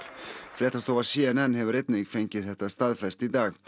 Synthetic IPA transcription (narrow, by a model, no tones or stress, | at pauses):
fɾɛːt̪ast̪oːvḁsiːɛnɛnhɦɛvʏɾet̪nɪŋfejɲcɪðθɛht̪ast̪aðfɛst̪id̪aːɣ